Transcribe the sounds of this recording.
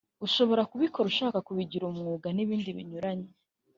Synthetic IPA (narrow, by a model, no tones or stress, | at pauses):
uʃo̞βo̞ɾakuβikʰo̞ɾuʃaːkakuβiɟiɾumŋuːɡaniβiːndiβḭɲuɾaɲe